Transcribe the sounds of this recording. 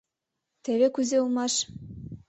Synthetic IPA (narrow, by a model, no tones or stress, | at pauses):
t̪ĕβekuzeulˠmɑʃ